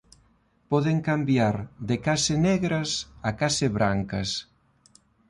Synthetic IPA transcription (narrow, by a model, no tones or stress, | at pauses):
pɔðeŋkambjaɾd̪ekasenɛɣɾɐsakaseβɾaŋkɐs